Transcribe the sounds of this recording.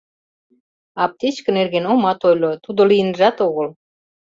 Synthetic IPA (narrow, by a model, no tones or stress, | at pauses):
ɑp̚t̪et͡ɕkə̆nerɣenomɑt̪ojlot̪ud̪ŏlijənʒɑt̪oɣɤ̆l